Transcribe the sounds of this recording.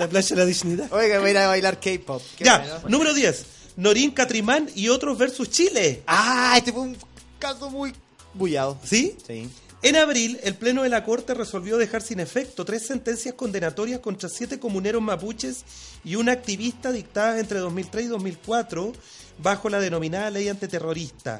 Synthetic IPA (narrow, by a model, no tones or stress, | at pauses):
laplaʃalaðiʃniðaojɣaβaiɾaβajlaɾkejpopd͡ʒanũme̞ɾoðje̞s | no̞ɾiŋkat̪ɾimanio̞t̪ɾozβe̞ɾsust͡ʃileaest̪efweuŋ | kasomuj | bujaðosis | enaβɾilelple̞no̞ðelako̞ɾt̪e̞reso̞lβjo̞ðe̞xaɾsine̞fe̞k̚t̪ot̪ɾe̞sːent̪e̞nsjasko̞nd̪enat̪o̞ɾjasko̞nt̪ɾasjet̪e̞ko̞mune̞ɾozmaput͡ʃes | iunak̚t̪iβist̪aðik̚t̪aðaent̪ɾeðo̞zmilt̪ɾesiðo̞zmilkwat̪ɾo | βaxo̞laðeno̞minaðale̞jant̪it̪e̞ro̞ɾist̪a̰